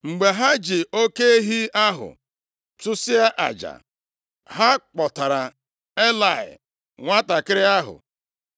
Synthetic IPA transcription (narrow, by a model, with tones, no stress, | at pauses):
ŋ͡m̩˨ɡ͡be˨ɦa˦d͡ʒɪ˨o˦ke˦e˦ɦi˦a˦ɦʊ̰˨ | tʊ˦sɪ˦a˦ʔa̰˨d͡ʒa̰˨ | ɦa˦k͡pɔ˨ta˨ɾa˨ | e˦la˨ɪ̰˨ | ŋʷa˦ta˨kɪ˦ɾɪ˦a˦ɦʊ̰˨